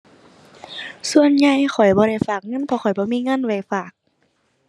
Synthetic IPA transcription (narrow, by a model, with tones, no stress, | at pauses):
su˧˨ənɲa˧jxʰɔ˨˩jbɔː˧ɾa˧˩jfaː˨˩k̚ŋɤ˧˥˨npʰɔ˧xʰɔ˨˩jbɔː˧˦miː˧˥˨ŋɤ˧˥˨nwa˧˩jfaː˨˩k̚